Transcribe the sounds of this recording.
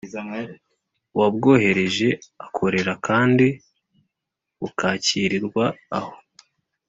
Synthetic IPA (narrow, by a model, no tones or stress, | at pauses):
wabɡo̞ːɦe̞ɾe̞ʒe̞akʰo̞ɾe̞ɾakʰaːndi | βukaːciːɾiɾɡwaːho̞